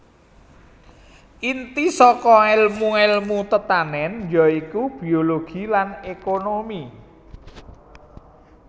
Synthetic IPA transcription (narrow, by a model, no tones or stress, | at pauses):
ʔint̪isɔkɔelmuelmut̪ət̪anɛnjɔikub̥i̤oloɡ̥i̤lanekonomi